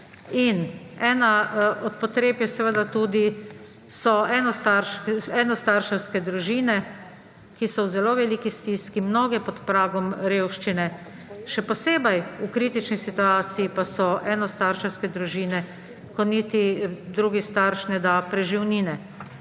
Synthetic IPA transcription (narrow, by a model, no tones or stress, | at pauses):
inɛːnaɔt̪̚pɔt̪ɾeːpjɛsɛʋəd̪at̪uːd̪i | sɔɛːnɔst̪aɾʃɛnɔst̪aɾʃɛwskɛd̪ɾuʒiːnɛ | kisɔwzɛloːʋɛliːkist̪iːskimnoːɡɛpɔt̪pɾaːɡɔmɾeːwʃt͡ʃinɛ | ʃɛpɔseːbɛjukɾit̪it͡ʃnisit̪uaːt̪siːpasɔʔɛːnɔst̪aɾʃɛwskɛd̪ɾuʒiːnɛ | kɔnit̪id̪ɾuːɡist̪aɾʃnɛd̪apɾɛʒiwniːnɛ